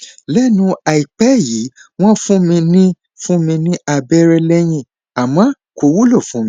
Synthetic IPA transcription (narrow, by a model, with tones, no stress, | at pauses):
lɛ˦nũ˧˦a˨i˨k͡pɛ˦jiː˨˦w̃ɔ̃˦fũ˦mĩ˧nĩ˦ | fũ˦mĩ˧nĩ˦a˧˨bɛ˦ɾɛ˧lɛ˦j̃ĩ˦˨ | a˨mã˨˦ | ko˧wu˦lo˦˨fũ˨˦mĩ˧˦